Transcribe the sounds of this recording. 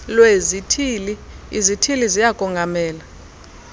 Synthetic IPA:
lwezitʰiːliizitʰilizijaɡʼʱɔŋɡʱamɛːla

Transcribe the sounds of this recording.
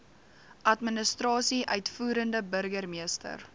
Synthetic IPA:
ʔɐtmənəstrɑːsiʔœɥtfuːɾəndəbərɡərmiəstə̰r

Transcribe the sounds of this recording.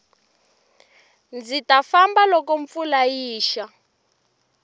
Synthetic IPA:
nd͡zitafambalɔkɔɱfulajiːʃa

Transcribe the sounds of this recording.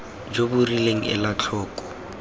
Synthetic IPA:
d͡ʒobʊrileŋ̩ɪ̰lat͡ɬʰɔːkʼɔ̥

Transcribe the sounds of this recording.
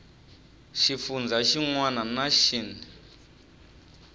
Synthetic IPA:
ʃifund͡zaʃiŋwananaʃini

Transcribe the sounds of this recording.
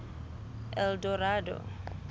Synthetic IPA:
ɛldoɾado̰

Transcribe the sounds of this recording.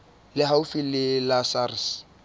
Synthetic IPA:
lɪɦaʊfilɪlasars

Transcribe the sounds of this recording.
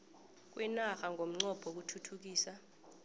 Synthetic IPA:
k̬ʼwɛnaxaŋʱom̩ŋ͡ǀɔb̥ʱok̬utʰutʰuk̬iːsa

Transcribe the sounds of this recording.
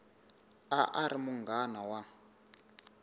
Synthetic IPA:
aʔaɾimuŋɡanawa

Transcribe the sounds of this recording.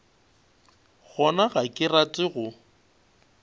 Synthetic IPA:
ɣɔnaɣakʼɪrat͡sʼɪɣʊ

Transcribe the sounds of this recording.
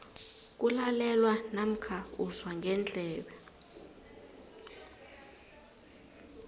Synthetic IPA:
k̬ʼulalɛlwanam̩kʰauzwaŋɡʱɛnt͡ɬʼɛːɓɛ

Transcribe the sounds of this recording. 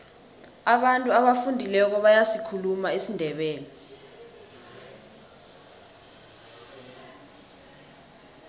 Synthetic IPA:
aɓantʼuaɓafundʱilɛk̬ɔɓajasikʰulumaisindʱɛɓɛːlɛ

